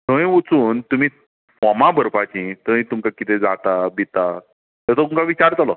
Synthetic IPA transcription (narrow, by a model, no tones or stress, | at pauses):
t̪ʰə̃ĩut͡suːnt̪um̤iː | fɔmabəɾpat͡ɕĩt̪ə̃ĩt̪umkakit̪ed͡zat̪abit̪a | t̪ɛt̪ɔumkaʋit͡ɕaɾt͡salɔ